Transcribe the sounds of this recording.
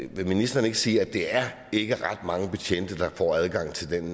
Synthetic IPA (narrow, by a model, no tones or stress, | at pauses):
ʋe̝minisd̥ɐne̝ɡ̥əsiːæd̥eæɐ | e̝ɡ̥əʁɑ̈d̥mɑ̈ŋəpʰet͡ɕʰen̰d̥ɐd̥ɑ̈fɒ̰ːæð̞ˠɡ̥ɑ̈ŋ̰t͡sʰe̝ld̥en